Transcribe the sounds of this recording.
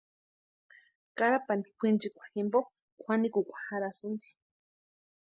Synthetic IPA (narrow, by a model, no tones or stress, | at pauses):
kaɾapand̪ikʷint͡ʃikʷḁximbo | kʷʰanikukʷḁhaɾasɨnd̪i̥